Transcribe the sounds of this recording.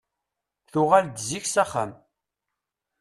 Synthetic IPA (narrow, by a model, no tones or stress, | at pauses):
θʊʁald̪ziçsaχə̰m